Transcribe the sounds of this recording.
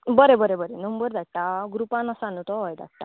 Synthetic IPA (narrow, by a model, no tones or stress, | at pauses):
bəɾebəɾebəɾenəmbəɾd̪aʈʈaɡɾupãnəsanut̪ɔɔjd̪a̰ʈːa